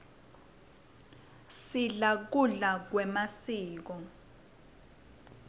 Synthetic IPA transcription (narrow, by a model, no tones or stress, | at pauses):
siɮak̬uɮak̬wɛmasiːk̬ɔ